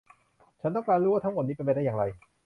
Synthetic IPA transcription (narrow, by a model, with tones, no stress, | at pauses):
t͡ɕʰa˦˥nt̪ɔ˥˩ŋklaː˧nɾuː˦˥waː˥˩t̪ʰmo˨˩niː˦˥pe˧npe˧da˥˩jaː˨˩ɾa˧j